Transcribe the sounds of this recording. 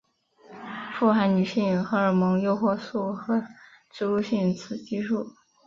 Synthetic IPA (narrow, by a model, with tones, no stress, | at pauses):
fu˥˩xa˧˥nny˨˩ɕi˥˩ŋxɤ˧˥ə˞˨˩mɤ˧˥ŋjo˥˧ʊxwɔ˥˧su˥˩xɤ˧˥ | ʈ͡ʂɻ̩˥˧lu˥˧ɕi˥˩ŋt͡sʰɹ̩˨˩t͡ɕi˥ʂu˥˩